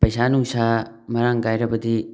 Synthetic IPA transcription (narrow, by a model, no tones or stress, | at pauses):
pɐjsaːnũːsaːmɐɾãŋɡaːjɾɐbəd̪i